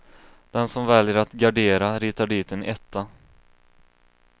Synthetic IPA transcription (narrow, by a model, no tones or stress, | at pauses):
d̪̥ɛnsɔmvɛljəɾat̪ɡaɖeːɾaɾiːt̪aɖiːt̪ənʔɛt̪ʰːa